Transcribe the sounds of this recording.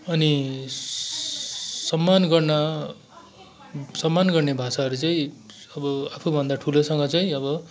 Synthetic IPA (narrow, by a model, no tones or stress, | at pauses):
ʌni | sʌmːanɡʌrnʌ | sʌmːanɡʌrnebʱasaɦʌɾut͡saĩʌbʌapʰubʱʌnd̪aʈʰulosʌŋɡʌt͡saĩʌbʌ